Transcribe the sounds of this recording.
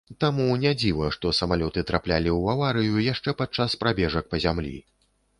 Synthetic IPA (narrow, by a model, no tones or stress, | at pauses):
t̪amunʲad͡zʲivɐʂt̪ɔsɐmalʲɔt̪ɨt̪ɾaplʲa̰lʲiwavaɾɨjujaʂt͡ʂɛpat̪̚t͡ʂːaspɾabʲɛʐɐk̚pɐzʲamlʲḭ